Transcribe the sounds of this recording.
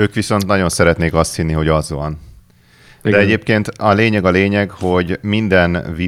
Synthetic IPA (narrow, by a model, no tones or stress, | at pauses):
øːkʋiso̞nt̪nɒɟo̞nsɛɾɛt̪neːkɒst̪hinːiɦo̞ɟɒzʋɒ̰n | d̪ɛɛɟeːp̚keːnt̪ɒleːɲɛɡɒleːɲɛɡho̞ɟmind̪ɛnvi